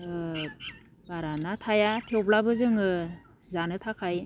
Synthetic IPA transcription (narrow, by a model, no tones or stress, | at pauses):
baɾanatʰajatʰewplabɯzɯŋɯ | zanɯtʰakʰaj